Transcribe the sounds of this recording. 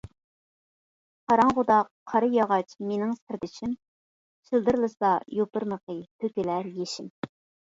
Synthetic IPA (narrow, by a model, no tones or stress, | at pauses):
qʰɑɾɑŋʁʊd̪ɑqʰːɑɾɨjɑʁɑt͡ʃmenɪŋsɪɾd̪ɪt͡ʃʰim | ʃilˠd̪ɨɾlˠɨsɑjopɨɾnəqət̪ʰøkʲilæɾjeʃɪm